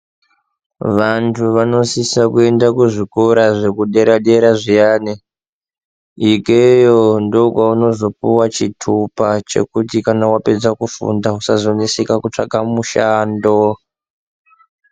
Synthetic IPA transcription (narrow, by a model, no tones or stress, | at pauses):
ʋantʰuʋano̞sisakue̞ndakuʐikoɾaʐe̞kuɗe̞ɾaɗe̞ɾaʐijaːne | ikejondokwauno̞zo̞puwat͡ʃitʰupat͡ʃe̞̰kutikanawape̞d͡zakufṵndaɦusazonisikakut͡ʂa̰ɡʱamuʃaːndo